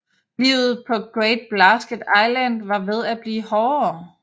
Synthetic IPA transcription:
liʊ̰ð̞̩ˠpʰɒ̽ɡ̥ʁɛɪd̥̚b̥læsɡ̥əd̥ɑ̈ɪlæn̰d̥ʋɑ̈ʋe̝ð̞ˠæb̥liːhɒː

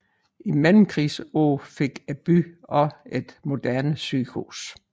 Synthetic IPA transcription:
imænm̩kʰʁisoːfe̝ɡ̥æb̥yɒ̽e̝d̥mo̝d̥æɐnəsyːɡ̥hṵs

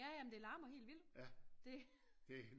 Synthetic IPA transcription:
æjæmnd̥e̝lɑ̈ːmɐɦe̝̰ːldʋil̰d̥d̥e̝ | d̥e

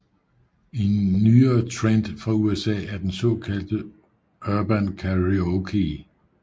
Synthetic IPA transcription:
enːyːɐːt͡sʰʁend̥fʁɑ̈uesɛ̰ːæɐd̥ensɔ̽ːkʰæl̰d̥ə | ɶɐb̥ænkʰæʁiokʰi

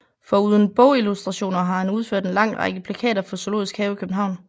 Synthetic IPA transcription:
fɒ̽uð̞ˠən̩b̥ɔʊilusd̥ʁɑ̈ɕo̝̰ːnɐɦɑ̈hænuð̞ˠføɐ̰d̥e̝nlɑ̈ŋ̰ʁɑ̰ɡ̥əpʰlækʰɛ̰ːɾɐfɒ̽so̝lo̝̰ðˠisɡ̥hɛːʊikʰøb̥n̩ɦɑ̈ʊ̰n

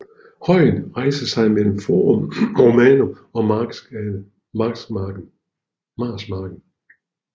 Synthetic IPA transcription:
hɒ̽ɪ̰nʁɑ̈ɪsɐsɑ̈ɪmel̰m̩fo̰ːʁɔmʁomɛːno | ɒ̽m | mɑ̈ɡ̥sɡ̥ | mɑ̈smɑ̈ːɡ̥n̩

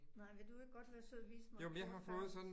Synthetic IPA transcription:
nɑɪ̰ʋe̝d̥ue̝ɡ̥əɡ̥ɒd̥ʋæɐsøðˠʋḭːsəmjomnjɑɪɦɑ̈fɔ̽ːð̞̩ˠsɒ̽d̥n

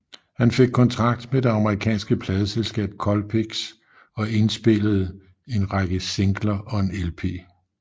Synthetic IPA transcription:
hænfe̝ɡ̥̚kʰɒ̽nt͡sʰʁɑ̈ɡ̥̚d̥med̥e̝ɑ̈məʁikʰɛ̰ːnsɡ̥əpʰlɛːð̞ˠəselsɡ̥ɛ̰ːb̥̚kʰɒ̽lpʰeɡ̥s | ɒ̽e̝nsb̥e̝ləð̞̩ˠ | e̝nʁɑɡ̥əse̝ŋɡ̥lɐʔɒ̽e̝nelpʰe̝̰ː

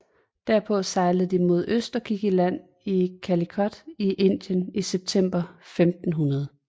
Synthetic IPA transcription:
d̥æɐ̰pʰɔ̽sɑ̈ɪləð̞̩ˠd̥imo̝ð̞ˠøsd̥ɐkʰiɡ̥ilæn̰ | ikʰælikʰɒ̽d̥iʔe̝n̰d̥jəniseb̥̚t͡sʰem̰b̥ɐfemd̥n̩ɦunɐð̞ˠ

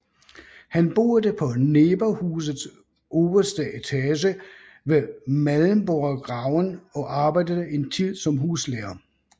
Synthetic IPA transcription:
hænb̥o̝̰ːɐd̥əpʰɒ̽neːb̥ɐhuːs̬ð̩ˠs | ʔɔːb̥ɐsd̥əet͡sʰæɕ̬ə | ʋemælˠm̩b̥oɐɡ̥ʁɑ̈ʊnɒ̽ʔɑ̈ːb̥ɑ̈ɪ̰d̥əðˠəe̝nt͡sʰið̰ˠsɒ̽mɦuːsleːɐ

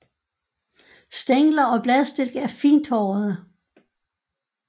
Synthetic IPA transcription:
sd̥eŋlɐɒ̽b̥lɛðˠsd̥e̝lɡ̥əæɐfḭːnd̥hɒʊɐð̩ˠə

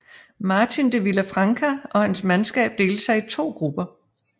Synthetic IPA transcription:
mɑ̈ːt͡sʰind̥eʋilæfʁɑ̈ŋkʰæʔɒ̽hænsmænsɡ̥ɛ̰ːb̥̚d̥e̝ːləsɑ̈ɪit͡sʰo̝̰ːɡ̥ʁub̥ɐ

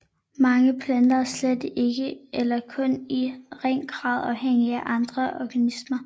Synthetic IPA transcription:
mɑ̈ŋəpʰlænd̥ɐsled̥ʔe̝ɡ̥əʔelɐkʰɔ̽niʁɛŋ̰ɡ̥ʁɑ̈ːðˠɑ̈ʊɦeŋ̰iæʔɑ̈nd̥ʁɐʔɒɡ̥ænismɐ

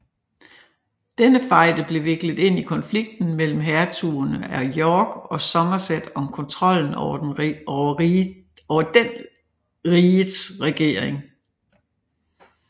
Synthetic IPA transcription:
d̥enəfɑ̈ɪ̰d̥əb̥le̝ʋe̝ɡ̥ləð̩ˠe̝n̰ikʰɒ̽nfliɡ̥̚d̥n̩mel̰m̩ɦæɐt͡sʰuːɐnəæɐjɒːɡ̥ɒ̽sɒ̽mɐsed̥ɒ̽mkʰɔ̽nt͡sʰʁɒ̽l̰n̩ɒɐɒʊɐ | ɒʊɐd̥en | ʁiːðˠsʁɛɡ̥e̝̰ːɐ̰eŋ

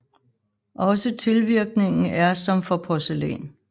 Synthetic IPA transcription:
ʔɒ̽sət͡sʰe̝lʋiɐɡ̥ne̝ŋn̩æɐsɒ̽mfɒ̽pʰɒselɛ̰ːn

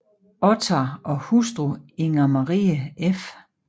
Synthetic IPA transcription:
ɔt͡sʰɑʔɒ̽husd̥ʁoeŋɐmɑʁḭːəef

